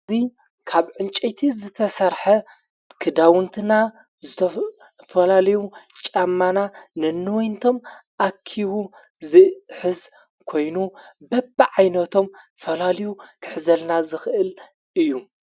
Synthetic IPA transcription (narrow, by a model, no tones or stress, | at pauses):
ɨzi | kʰaβʕɨnt͡ʃʼet̪ʰizɨt̪ʰɐsɐɾħɐ | kʰɨd̪awɨnt̪ʰɨna | zɨt̪ʰɐ | fɐlalɐjut͡ʃʼamːananɨnːɨwɔjnt̪ʰo̞mʔakʰːiwu | zɨħɨz | kʰo̞jnubɐbʕajnɐt̪ʰo̞m | fɐlalɐjukʰɨ̥ħzɐlnazɨxʔɨl | ʔɨjːu